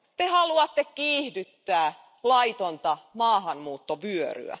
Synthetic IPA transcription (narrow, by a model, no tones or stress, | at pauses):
t̪ehɑluɑt̪ːekkiːhdyt̪ːæː | lɑit̪ont̪ɑmɑːhɑnmuːt̪ːoʋyøry̰æ̰